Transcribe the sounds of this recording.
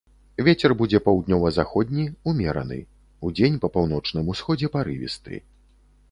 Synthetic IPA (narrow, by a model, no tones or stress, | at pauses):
vʲet͡sʲɛrbud͡zʲɛpɐwd̪nʲɔvɐzaxɔd̪ʲnʲiumʲɛɾɐ̰nɨ̰ | ud͡zʲenʲpɐpawnɔt͡ʂnɨmusxɔd͡zʲɛpaɾɨvʲḭst̪ɨ̰